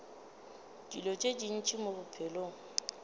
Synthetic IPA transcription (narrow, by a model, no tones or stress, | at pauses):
dilɔt͡ʃʼed͡ʒin̩t͡ʃʼimobʊpʰɛloŋ̩